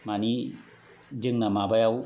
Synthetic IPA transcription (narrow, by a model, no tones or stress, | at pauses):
mani | d͡ʒɯŋnamabajaw